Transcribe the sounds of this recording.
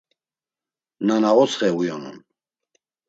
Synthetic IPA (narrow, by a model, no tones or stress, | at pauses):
nanaʁɔt͡sχɛujɔnṵn